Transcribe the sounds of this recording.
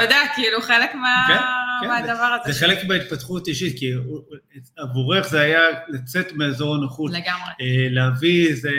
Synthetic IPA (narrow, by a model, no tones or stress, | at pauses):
tod̪eakiiluχelekmeakenmeadavaʁazezeχe̞lekmeit̪̚pat̪χutiʃit̚ki | avuʁe̞χzeajalat͡se̞t̪meazo̞ʁanaχuleɡamʁeeleavize